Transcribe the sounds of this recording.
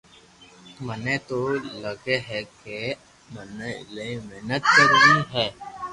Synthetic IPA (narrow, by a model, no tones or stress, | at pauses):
mənet̪olɐɡeɦɛke | məneɪlemeɦnət̪̚kəɾniɦɛː